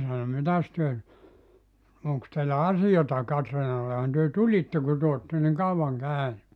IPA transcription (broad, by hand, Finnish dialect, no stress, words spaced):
sɑno mitæs tyø nyt oŋks teilːæ ɑsijɑtɑ kɑtriːnɑlːehɑn tyø tulitːe ku tyø otːe niŋ kɑuʋɑŋ kæˑyny